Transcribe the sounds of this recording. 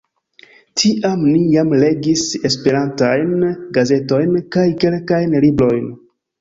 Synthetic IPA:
tʰiʔamnijamle̞ɡise̞spe̞ɾantajnɡaze̞to̞jnkajke̞lkajnlibɾo̞jn

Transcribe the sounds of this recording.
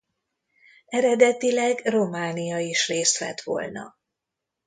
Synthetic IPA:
ɛɾɛd̪ɛt̪ilɛɡro̞maːnijɒiʃreːst̪lɛ̰t̪ʋo̰lnɒ̰

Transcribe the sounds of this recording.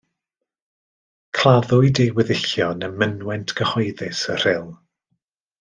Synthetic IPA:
kʰlˠaðʊɨjdejwɪðɪɬjɔnəmənwɛntʰɡ̥əhɔjðɪsər̥ɪlˠ

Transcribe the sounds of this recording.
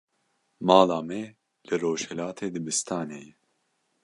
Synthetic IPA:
mɑːlaːmɛ | lɨɾoːʃhɛlaːt̪ʰeːd̪ɨbɨst̪ʰɑːneːjɛ

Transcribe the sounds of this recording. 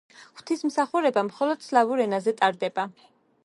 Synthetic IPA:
χwt̪ʰismsaχuɾɛbamχɔlɔd̪̥slavuɾɛnazɛt̪ʼaɾd̪ɛba

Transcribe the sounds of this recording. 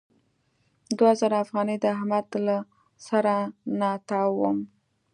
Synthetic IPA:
d̪wazaɾaafɣɑnəjd̪əahmad̪la | saɾanɑt̪ɑwəm

